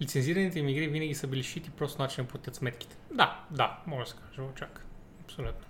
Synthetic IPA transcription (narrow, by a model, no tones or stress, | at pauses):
lʲit̪sɛnziɾɐnit̪ɛimiɡɾivinɐɡʲisəbiliʃit̪ipɾɔst̪onat͡ʃinɐpot̪ʲjət̪smɛt̪ki̥t̪ɛ̥d̪ad̪amɔʒd̪əsɛ̥kaʒəvot͡ʃak | ɐpsolʲut̪no̥